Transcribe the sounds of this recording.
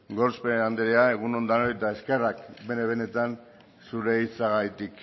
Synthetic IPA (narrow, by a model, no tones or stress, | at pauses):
ɡo̞ɾspeand̪eɾeae̞ɣ̞uno̞nd̪anoet̪ae̞ske̞rakbe̞neβe̞ne̞t̪an | suɾe̞it͡saɣajt̪ik